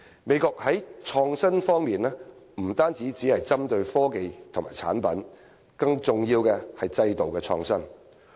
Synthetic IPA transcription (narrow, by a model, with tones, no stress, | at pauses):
me˨˧jkɔː˧k̚hɐ˨˥jt͡ʃʰɔː˧ŋsɐ˥nfɔː˥ŋmiː˨naː˥m̩˨˩t̪aː˥nt͡siː˨˥t͡siː˨˥hɐ˨jt͡sɐ˥mt̪ɵ˧ɥfɔː˥ke˨jt̪ʰʊ˨˩maː˨˩t͡sʰa̰ː˨˥npɐ̰˨˥n | kɐ˧ŋt͡sʊ˨ŋjiː˧wkɛː˧hɐ˨jt͡sɐ˧jt̪o˨wkɛː˧t͡ʃʰɔ̰ː˧ŋsɐ˥n